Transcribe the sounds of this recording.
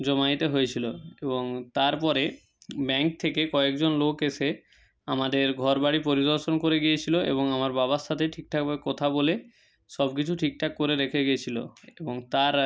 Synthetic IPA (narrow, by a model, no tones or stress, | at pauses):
d͡ʑɔmajt̪eɦojet͡ɕʰiloeboŋt̪aɾpɔɾe | bɛŋk̚t̪ʰekekɔek̚d͡ʑonlokeʃe | amad̪eɾɡʱɔɾbaɽipoɾid̪oɾʃonkoɾeɡiet͡ɕʰiloʔḛboŋamaɾbabaʃat̪ʰeʈʰik̚ʈʰakbaekot̪ʰabole | ʃɔbk̬it͡ɕʰuʈʰik̚ʈʰakkoɾeɾekʰeɡiet͡ɕʰilo̰eboŋt̪aɾ